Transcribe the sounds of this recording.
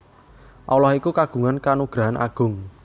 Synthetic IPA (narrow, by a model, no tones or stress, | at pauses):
ʔɔwlɔhikukaɡ̥ṳŋankanuɡ̥ɾaɦanʔa̰ɡ̥ʊŋ